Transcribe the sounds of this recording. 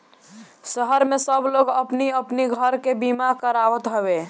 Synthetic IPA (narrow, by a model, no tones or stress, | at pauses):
səɦəɾmesəbloɡəpniəpniɡʱəɾkebimakəɾaʋət̪ɦəbe